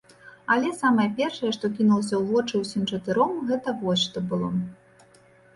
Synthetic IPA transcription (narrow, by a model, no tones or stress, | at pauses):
ɐlʲɛsamɐjɐpʲɛrʂɐjɛʂt̪ɔkʲinulˠɐsʲɐwvɔt͡ʂɨwsʲimt͡ʂɐt̪ɨɾɔmɣɛt̪ɐvɔsʲʂt̪ɔbɨlˠɔ̰